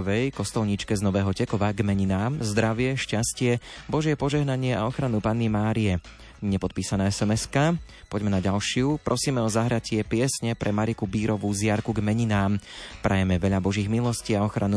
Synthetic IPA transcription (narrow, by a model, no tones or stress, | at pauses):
ʋɛjkɔst̪ɔlɲit͡ʃkɛznɔʋɛːɦɔcɛkɔʋaɡmɛɲinaːmzd̪ɾaʋɪɛʃcascɪɛbɔʒɪɛpɔʒɛɦnaɲɪɛaɔxɾanupanːimaːɾijɛ | ɲɛpɔt̪̚piːsanɛːɛsɛmɛska | pɔɟmɛnaɟalʃɪupɾɔsiːmɛɔzaɦɾacɪɛpɪɛsɲɛpɾʔɛmaɾikubiːɾɔʋuzɪaɾkuɡmɛɲinaːmpɾʔajɛmɛʋɛʎabɔʒiːɣmilɔsciːaɔxɾʔanu